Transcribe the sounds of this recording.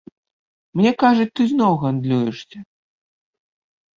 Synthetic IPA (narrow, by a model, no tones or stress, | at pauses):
mnʲɛkaʐɐt͡sʲt̪ɨzʲnɔwɣand̪lʲujɛʂsʲɐ